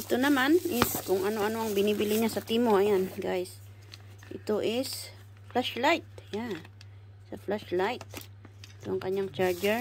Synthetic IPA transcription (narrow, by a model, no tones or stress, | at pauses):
ʔɪt̪onɐmanʔɪskʊŋʔɐno̞ʔɐno̞ʔɐŋbɪnibɪlɪɲasɐt̪imoʔɐjanɡajs | ʔɪ̰t̪o̞ʔɪs | flaʃlajt̪̚ja | sɐflaʃlajt̪̚ | ɪt̪oʔɐŋkɐɲaŋt͡ʃaɹd͡ʒɛɹ